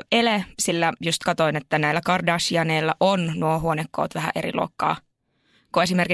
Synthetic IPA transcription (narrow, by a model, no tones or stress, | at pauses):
elesilːæjust̪kɑt̪oinet̪ːænæilːækɑrdɑːsiɑneːlːæʔonnuoɦuonekːo̰ːt̪ʋæɦæ̰ʔeɾḭlʔo̰ːkːɑ̰ː | kue̞simerki